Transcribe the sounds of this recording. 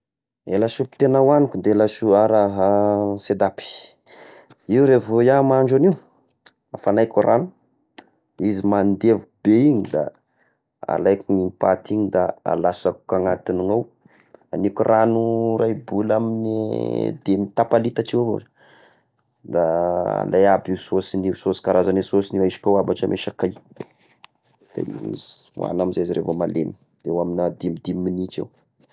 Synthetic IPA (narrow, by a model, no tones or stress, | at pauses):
elasupi̥t̪enawanikund̪eelasuaɾaɦased̪api̥ | iuɾevojamaɳɖ͡ʐaniu | afanajkaɾʔanu̥ | izimand̪evubeiɲid̪a̰ | a̰lajkiɲimpat̪iɲid̪aa̰lasaku̥kaŋat̪iniŋaw | anikurʔanurajbulaminid̪emit̪apalit̪aʈ͡ʂewvo̰ | d̪aa̰lajabiwsosinisosi̥kaɾazanesosiniwaiʃi̥kʲawabaʈ͡ʂəmʔeʃakaj | d̪̥ḛm̰iz | a̰naminzeziɾevomalem | ewaminad̪imid̪iminit͡ʃḛw